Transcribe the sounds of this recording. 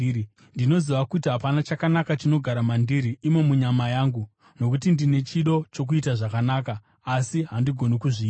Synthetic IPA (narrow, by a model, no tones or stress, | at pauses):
ndino̞ziʋakutiɦapanat͡ʃakanakat͡ʃino̞ɡʱaɾamandiɾiːme̞muɲamajaːŋɡu | no̞k̬ut̬indine̞t͡ʃiɗo̞t͡ʃo̞k̬uitaʐakanaːkaː | siɦandiɡʱo̞nikuʐiːa